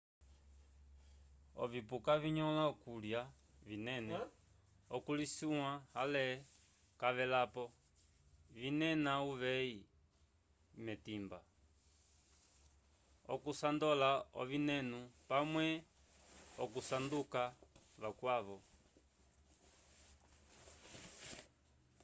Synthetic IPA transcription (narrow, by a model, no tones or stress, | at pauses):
ɔ̰vipukaviɲɔlaɔkulja | vinɛnɛ | ɔkulisiwãhalɛ | kaʋɛlapɔ | vinɛnauʋɛi | mɛtimba | ɔ̰kusandɔlaɔ̰βinɛnupamwɛ | ɔkusandukaβakwaβɔ